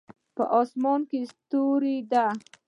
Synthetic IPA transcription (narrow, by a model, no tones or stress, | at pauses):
pə̰ʔɑsmɑnkest̪oɾid̪a